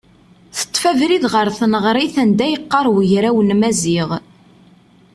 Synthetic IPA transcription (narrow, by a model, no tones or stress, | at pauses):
θə̥t̪ˤːfævɾiðʁəɾθnəʁɾˤiθænd̪æjəqːɑɾˤwəʝɾæwənmæziʁ